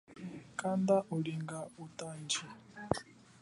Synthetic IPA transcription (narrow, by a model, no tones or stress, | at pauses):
kʼand̪aʔuliŋɡautʼaːnd͡ʒi